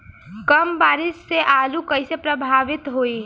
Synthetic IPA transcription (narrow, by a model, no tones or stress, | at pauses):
kəmbaːɾɪsːeʔalukəɪsepɾəbʱaʋɪt̪ɦoi